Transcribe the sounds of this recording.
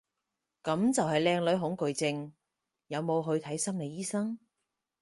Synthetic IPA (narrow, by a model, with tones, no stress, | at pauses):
kɐ˨˥mt͡sɐ˨whɐ˨jlɛː˧ŋlɵ˨˥ɥɦʊ˨˥ŋkɵ˨˧ɥt͡sɪ˧ŋ | jɐ˨˧wmo˨˧wɦɵ˧ɥt̪ʰɐ˨˥jsɐ˥mle˨˧jiː˥sɐ˥ŋ